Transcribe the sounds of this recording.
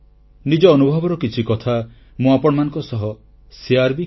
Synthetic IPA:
nid͡ʒɔːnubʱɔbɔɾɔkit͡ʃʰikɔt̪ʰa | mũapɔɽɔmanɔ̃ŋkɔsɔɦɔ | siaɾbi

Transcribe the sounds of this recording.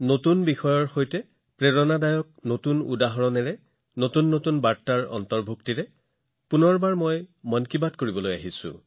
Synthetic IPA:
notunbixɔjɔɹxojtɛ | pɹeɹɔnadajɔk̚notunṵdaɦɔɹɔnɛɹɛ | notunːotunbaɹtːaɹɔ̰ntɔɹbʱuktiɹɛ | punɔɹbaɹmɔjmɔnkibatkoɹibɔlojaɦisʊ̰̃

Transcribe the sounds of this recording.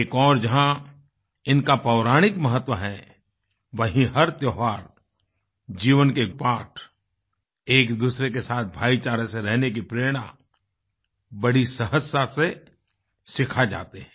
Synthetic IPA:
kɔːɾd͡ʒɐɦã | ɪnkapɐʊɾaːɽ̃ɪkmɐɦət̪wəɦɛ̃ | ʋɐɦĩɦɐɾt̪joːɦʋaːɾ | d͡ʒiːʋənkepaːʈʰ | eːkd̪uːsɾekesaːt̪̚ʰbʱaːit͡ʃaːɾəseɾɛɦnek̬ipɾeːɾɽ̃a | bɐɽisɐɦəsase | sɪkʰad͡ʒa̰ːt̪eɦɛ̃

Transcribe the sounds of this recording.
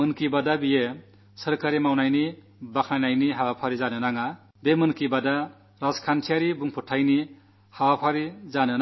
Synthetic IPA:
ɯnkibadabije | səɾkaɾimawnajni | bakʰajnajniɦawapʰaɾizanenaŋa | bemɯnkibada | ɾaskʰantʰijaɾibuŋpʰuʈʰajni | hawapʰaɾid͡zanen

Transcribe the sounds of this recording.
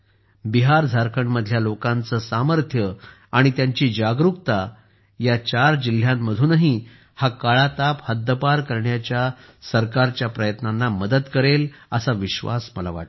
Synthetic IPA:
biɦaɾd͡zʱaɾkʰəɳməd̪ʱljalokãnt͡səːsaməɾt̪ʰjə | aɽ̃it̪jaɲt͡ɕiːd͡ʑaɡɾukt̪a | jat͡ɕaɾd͡ʑil̤ːjamːəd̪ʱuːnaɦi | hakaɭat̪aphəd̪ːəpaɾkəɾɳjat͡ɕja | səɾkaɾt͡ɕjapɾəjət̪nanːaməd̪əd̪kəɾeləsaʋiɕʋa̰smə̰la̰ʋa̰ʈ

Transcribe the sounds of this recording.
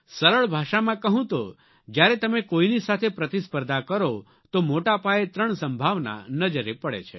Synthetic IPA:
səɾəɭbʱaʃamãkəɦũt̪o̰ | d͡ʒjaɾet̪əmekoinisat̪ʰepɾət̪ispəɾd̪ʱakəɾo | t̪omoʈapaet̪ɾəɳsəmbʱaʋna̰nəd͡ʒəɾepəɭḛt͡ʃʰḛ

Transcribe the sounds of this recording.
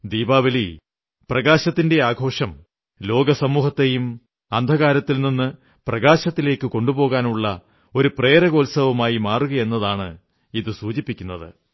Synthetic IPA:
d̪iːbaːʋɐli | prɐɣaːɕɐt̪ːinde̞aːɡʱo̞ːʂɐm | lo̞ːɡɐsɐmuːhɐt̪ːe̞jum | ɐnd̪ʱɐɣaːɾɐt̪ːilninːɨ | prɐɣaːɕɐt̪ːile̞ːkːɨko̞ɳɖubo̞ːɣaːnuɭːɐ | o̞ɾupreːɾɐɣo̞ːlsɐʋɐmaːjimaːruɣɐe̞nːɐðaːɳɨ | iðɨsuːd͡ʑipːikʲːunːɐðɨ̰

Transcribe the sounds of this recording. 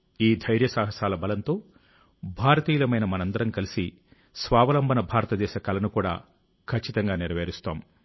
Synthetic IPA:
iːd̪ʱɐjɾjɐsaːɦɐsaːlɐbɐlɐnt̪o̞ː | bʱaːɾɐt̪iːlɐmɐjnɐmɐnɐnd̪ɐɾɐmkɐlisi | sʋaːʋɐlɐmbʱɐnɐbʱaːɾɐt̪ɐd̪ɛːʃɐkɐlɐnukuːɽa̰ː | kʰɐt͡ʃːit̪ɐŋɡaːniɾɐʋeːɾist̪a̰ːm

